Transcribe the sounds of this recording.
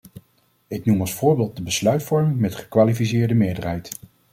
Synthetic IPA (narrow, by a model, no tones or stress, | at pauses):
ɪknumɑlˠsfʊːɹbeːlˠt̚dəbəslœɥtfɔɹmɪŋmɛtχə̥kʋaːlifis̬ɪːɹdəmɪːɹdərɦɛjt